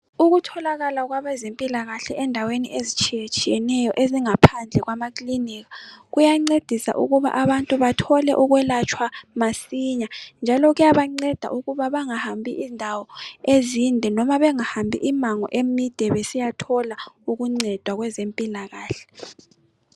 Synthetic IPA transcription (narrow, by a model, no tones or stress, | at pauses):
uɣutʰɔlaɣalaɣwaβɛzempʼilaɣaɬɛʔɛndʱaweniʔezit͡ʃʼijet͡ʃʼijɛnɛjɔʔeziŋapʰand͡ɮʱɛɣwamakʼliniːɣaɣujaŋ͡ǀed̥ʱisa̰ʔṵɣuβa̰ʔaβantʼuβatʰɔlɛ̰ʔuɣwɛlat͡ʃʼʰwamasiɲand͡ʒʱalɔɣujaβaŋ͡ǀɛd̥ʱa̰ʔuɣuβaβaŋahambʱḭʔindʱawɔezindʱɛnɔmaβɛŋahambʱḭʔimaŋɔ̰ʔemid̥ʱɛβɛsijatʰɔlauɣuŋ͡ǀɛd̥ʱwaɣwɛzempʼilaɣaːɬɛ̥